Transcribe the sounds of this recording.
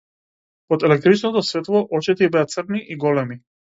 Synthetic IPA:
ɔd̪ɛlɛk̚t̪ɾit͡ʃnɔt̪ɔsvɛt̪lˠɔʔɔt͡ʃɛt̪ɛibɛat̪srniʔiɡɔlɛmi

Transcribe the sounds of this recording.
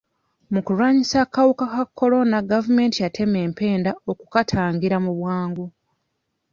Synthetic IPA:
mukuɾwaːɲisaːkawukakakʰːo̞lo̞naɡavume̞ːntijatʰe̞me̞ːmpe̞ːndaokukatʰaːŋɡiɾamuβwaːŋɡu

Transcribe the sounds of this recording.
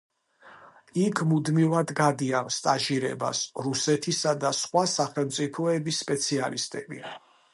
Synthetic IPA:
ikʰmud̪mivad̪ɡad̪ianst̪ʼaʒiɾɛ̰ba̰sɾusɛt̪ʰisad̪asχwasaχɛlˠmt̪sʼipʰɔɛbisːpʼɛt̪sʰialist̪ʼɛbḭ

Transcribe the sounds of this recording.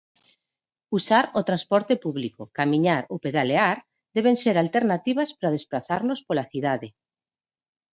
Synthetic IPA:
usaɾot̪ɾanspɔɾt̪epuβlikokamĩɲaɾopeðaleaɾ | d̪eβ̞enseɾalt̪eɾnat̪iβ̞aspɾaðespɾaθaɾnospolaθiðaðe

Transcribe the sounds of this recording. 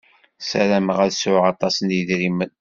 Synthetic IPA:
sæɾæməʁæðsʊʁɑt̪ˤɑsənjəðɾimən

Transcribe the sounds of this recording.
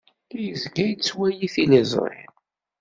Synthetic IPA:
jəzɡæjt͡sːwæjiθilizˤɾˤɪ̰m

